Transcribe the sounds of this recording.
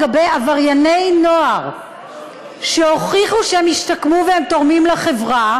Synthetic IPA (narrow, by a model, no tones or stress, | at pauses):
abejavaʁjanejnoaʁ | ʃeho̞χiχuʃehemiʃtakmuveemt̪o̞ʁmimlaχevʁa